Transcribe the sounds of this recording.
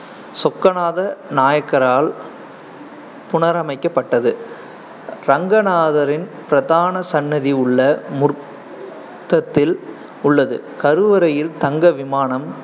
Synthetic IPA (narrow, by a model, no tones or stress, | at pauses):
sɔkːɐnaːðɐnaːjɐkːɐɾaːl | pʊɳɐɾɐmɐɪkːɐpːɐʈːɐðɯ | ɾɐŋɡɐnaːðɐɾɪnpɪɾɐðaːnɐsɐnːɐðiʊɭːɐmʊɾ | t̪ːɐt̪ːɪl | ʊɭːɐðɯ̰kɐɾɯʋɐɾɐjɪlt̪ɐŋɡɐʋɪmaːɳɐm